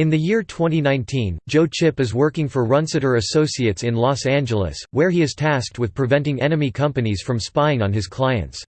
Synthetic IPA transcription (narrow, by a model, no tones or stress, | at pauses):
ɨ̃nðɨjɪɹtʰw̥ɛ̃ntinãɪ̃ntʰĩnd͡ʒoʊt͡ʃʰɪpɨzwɜ˞kɪ̃ŋfə˞ɹʌ̃nsɨɾə˞ɨsoʊsiɨtsɨ̃nlɔsæ̃nd͡ʒəl̩ˠə̰swəɹiɨz̥tʰæsk̚t̚wɨð̥pʰɹ̥ɨvɛ̃ntɪ̃ŋɛnɨmikʰʌ̃mpɨniz̥fɹʌ̃mspãɪ̃nə̃nɨz̥kʰl̥aɪɨ̰̃nts